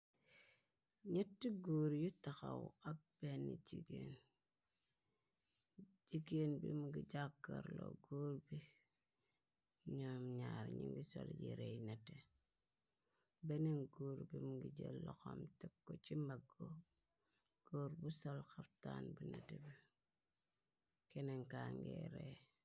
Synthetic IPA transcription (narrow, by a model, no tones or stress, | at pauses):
ɲetːiɡuːɾjutaxawak̚b̥enːid͡ʒiɡen | d͡ʒiɡenbimuɡid͡ʒakːaɾlo̰ɡuːɾbi | ɲomɲaɾɲiŋɡisoljḭɾejnete | beneŋɡuːɾbimuɡiɟelːoxomtekːot͡ʃimbaɡo | ɡ̥oːɾbusolxaftaːnbunetebi | keneŋkaŋɡeɾe